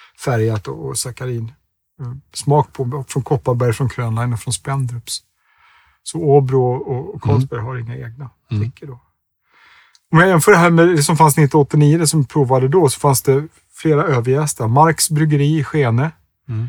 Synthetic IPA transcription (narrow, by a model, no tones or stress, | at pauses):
fæɾjat̪ɔ̰ːsakaɾiːn | smɑːk̚pʰɔfɾɔnkʰɔpːabæɾjfɾɔnkʰɾøːnlaɪnɔfɾɔnspɛnd̪ɾɵps | sɔoːbɾʊɔkʰɔlsbæɾɦaɾɪŋːaeːɡ̚na | ɪkʰːəɖɔ | ɔmjajɪnfœːɖɛɦæːɾmɛɛsɔmfansnɪt̪ːɔt̪ːɪniːəd̪ɛsɔmpʰɾuːvad̪əd̪ɔsɔ̥fansd̪ɛ | fleːɾaøːvəɾjɛst̪aɾmaɾksbɾʏɡəɾiːɪɧeːnə